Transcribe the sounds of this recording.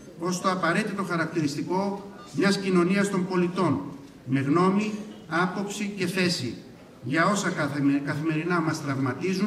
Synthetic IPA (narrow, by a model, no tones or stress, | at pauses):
o̞st̪o̞ɐpɐɾe̞t̪it̪o̞xɐɾɐkt̪iɾist̪iko̞ | mɲɐscino̞niɐst̪o̞mbo̞lit̪o̞n | me̞ɣno̞miɐpo̞psice̞θe̞si | ʝɐo̞sɐkɐθime̞ɾinɐmɐst̪ɾɐvmɐt̪izu